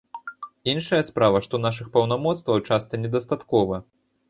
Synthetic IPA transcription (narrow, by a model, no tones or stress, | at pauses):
inʂɐjɐspɾavɐʂt̪ɔnaʂɨxpɐwnamɔt̪st̪vɐwt͡ʂast̪ɐnʲɛd̪ɐst̪at̪kɔvɐ